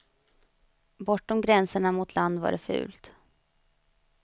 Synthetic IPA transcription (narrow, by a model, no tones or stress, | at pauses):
bɔʈːɔmɡɾɛnsəɳamʊt̪ʰland̪va̰ɖɛfʉ̟̰ːlt̪